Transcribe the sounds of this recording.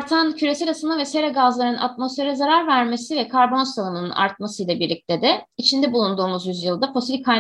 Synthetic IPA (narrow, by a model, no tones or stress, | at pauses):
ɾt̪ʰancʰyɾe̞sɛlʲasɯnavɛseɾɛɡazlˠaɾɯnʔa̰t̪mo̞sfe̞ɾɛzaɾaɾvæɾme̞sivɛkʰaɾbo̞nsalˠɯmɯnɯ̰na̰ɾt̪̚masɯjlˠabiɾlʲic̚t̪ʰed̪ɛit͡ʃʰind̪ɛbulˠund̪uːmuzjyzjɯlˠd̪afo̞silʲikʰːa